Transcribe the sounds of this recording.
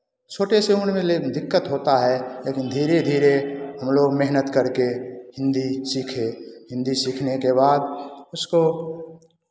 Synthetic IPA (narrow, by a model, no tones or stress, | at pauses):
soːʈeseʊnmẽled̪ɪkːət̪ɦoːt̪aɦɛleːkɪnd̪ʱiːɾed̪ʱiːɾeɦəmloːɡmeɦnət̪kəɾkeɦɪ̃nd̪isikʰeɦɪ̃nd̪isiːkʰnekebaːd̪̚ʊsko